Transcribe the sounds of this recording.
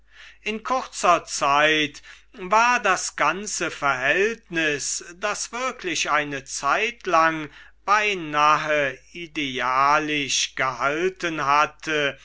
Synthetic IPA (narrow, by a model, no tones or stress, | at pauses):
ʔɪnkʰʊʁt͡sɐt͡saɪt | vaːɐdasɡ̥ant͡səfɛɐɦɛltnɪsd̥asv̥ɪɐklɪɕʔaɪnət͡saɪtlaŋ | b̥aɪnaɦəideaːlɪʃɡ̥əhaltənɦatʰə